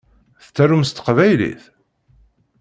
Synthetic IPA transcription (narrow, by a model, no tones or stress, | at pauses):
θət͡sːæɾumst̪ə̥qvæjlḭθ